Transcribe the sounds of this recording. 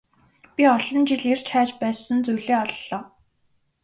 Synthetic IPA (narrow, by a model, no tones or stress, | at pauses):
pʲiɔɮɞ̆nt͡ɕiɮert͡ɕʰaːt͡ɕpæːsə̆nt͡sujɮeːɔɮːɔː